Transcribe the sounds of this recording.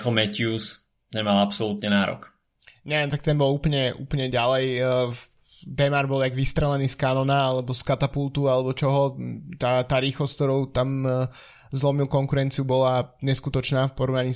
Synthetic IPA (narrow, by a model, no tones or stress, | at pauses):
kɔlmɛcɪus | t̪ɛnmalapsɔlut̪ɲɛnaːɾɔ̰k | ɲɛʋjɛmt̪ak̚t̪ɛnbɔluːpl̩ɲɛʔṵːpl̩ɲɛɟalɛj | d̪ɛmaɾbɔlaɡʋist̪ɾɛlɛniːskanɔnaalɛbɔskat̪apulˠt̪ualɛbɔt͡ʃɔɦɔt̪at̪aːɾiːxlɔsk̚t̪ɔɾɔʊt̪am | zlˠɔmilˠkɔŋkuɾɛnt͡siubɔlaɲɛskut̪ɔt͡ʃnaːfpɔɾɔʋnaɲiː